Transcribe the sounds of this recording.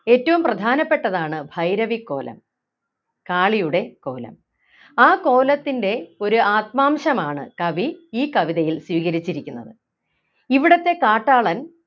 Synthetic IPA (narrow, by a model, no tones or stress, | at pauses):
e̞ːtːɐʋumprɐd̪ʱaːnɐpːe̞ʈːɐðaːɳɨbʱɐjɾɐʋikːo̞̰ːlʔɐ̰m | kaːɭijuɽe̞ko̞̰ːlɐ̰m | aːko̞ːlɐt̪ːinde̞o̞ɾuaːt̪̚maːmɕɐmaːɳɨ̰kɐʋiiːkɐʋiðɐjilswiːkɐɾit͡ɕːiɾikʲːunːɐðɨ | iʋiɽɐt̪ːe̞kaːʈːaːɭɐn